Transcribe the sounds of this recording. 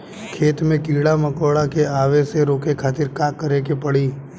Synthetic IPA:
kʰeːt̪mẽkiːɽamɐkoːɽakeaːʋeseɾoːkekʰaːt̪ɪɾkaːkːəɾekepɐɽiː

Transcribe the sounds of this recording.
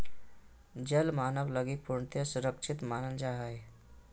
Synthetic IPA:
d͡ʒəlmanəʋləɡik̚puɾɳət̪jəsuɾəkʂʰit̪manəld͡ʒaɦaj

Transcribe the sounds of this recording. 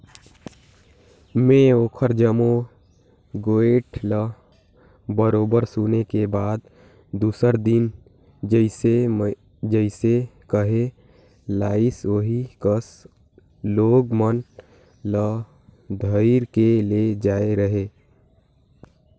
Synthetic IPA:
mẽoːkʰəɾd͡ʒəmo | ɡoːeːʈlə | bəɾoːbəɾsunekebaːd̪̚ | d̪uːsəɾd̪ɪn | d͡ʒəɪse | d͡ʒəɪsekəɦe | laːɪsoɦikəs | loːɡmən | lə | d̪ʱəiɾkeled͡ʒaːeɾəɦeː

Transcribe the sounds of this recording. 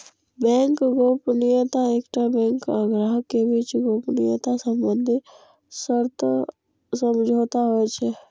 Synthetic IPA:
bɛ̃ːŋkɡoːpnɪjət̪aekʈabɛ̃ːŋkəɡɾəɦkebiːt͡ʃɡoːpnɪjət̪asə̃mbə̃nd̪ʱi | səɾt̪ʰ | səmd͡ʒʱoːt̪aɦoet͡ʃʰɛ

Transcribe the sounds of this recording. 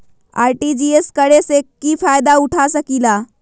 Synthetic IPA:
a̰jʈid͡ʑieskəɽesekːifajd̪auʈʰasəkila

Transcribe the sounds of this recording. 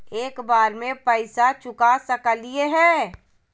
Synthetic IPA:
eːkbaːɾmẽpəɪsat͡ʃʊkasəkəlieɦɛ̃ː

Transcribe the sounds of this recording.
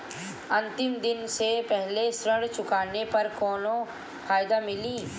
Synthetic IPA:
ɐ̃nt̪ɪmd̪ɪnsepɛɦlesɾəɽt͡ʃʊkaːnepɐɾkoːno | fʰaːɪd̪amɪlĩː

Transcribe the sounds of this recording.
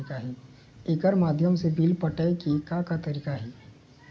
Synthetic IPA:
kaɦɛː | eːkəɾmaːd̪ʱjəmsebilpɐʈəekikakat̪ɐɾiːkaɦɛː

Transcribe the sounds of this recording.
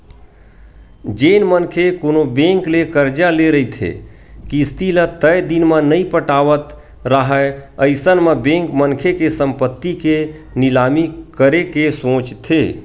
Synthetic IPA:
d͡ʒenmənkʰekonobẽŋklekəɾd͡ʒaleɾəit̪ʰḛ | kist̪ʰilət̪əjd̪inmenəipəʈaʋət̪ | ɾəɦəəɪsənmebẽŋkmənkʰekesəmpət̪ːike | nilamikəɾekesõt͡ʃt̪ʰe

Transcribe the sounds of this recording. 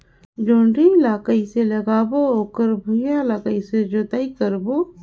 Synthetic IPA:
d͡ʒoːɳɖiɪlaːkaiselɐɡaːbooːkəɾbʱujalaːkaised͡ʒot̪aːikəɾboː

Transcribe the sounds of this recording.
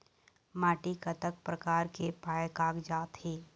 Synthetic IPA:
maːʈikɐt̪ək̚pɾəkaːɾkepaːjkaːkd͡ʒaːt̪heː

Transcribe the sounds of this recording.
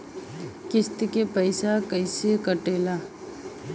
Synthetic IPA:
kɪst̪ikepəɪsakəɪsekəʈeːla

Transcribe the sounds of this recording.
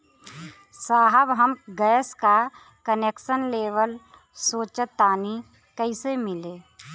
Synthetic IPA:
saːɦəbɦəmɡəjəska | kəneːkʃənleːʋəl | soːt͡ʃət̪aːni | kəɪsemɪleː

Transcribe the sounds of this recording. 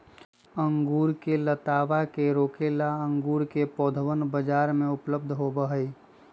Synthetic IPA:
əŋɡuːɾkelət̪aːbakeɾoːkelaəŋɡuːɾkepɔːd̪ʱwənbəd͡ʒaːɾmẽʊpləb̚d̪ʱɦobəɦəi

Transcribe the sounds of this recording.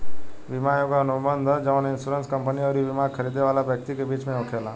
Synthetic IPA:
ʋɪmajokaɐnʊbə̃nd̪ʱəd͡ʒɐʋə̃nɪnsuːɾənskə̃mpəniɔːɾiʋɪmakʰəɾiːd̪eʋaːlabjək̚t̪ikebiːt͡ʃmẽoːkʰelaː

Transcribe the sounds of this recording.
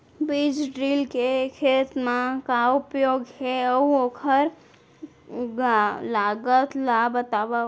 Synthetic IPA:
bid͡ʒɖɾilkekʰet̪mãkaupjoɡkeəuokʰəɾ | laɡət̪labət̪aba

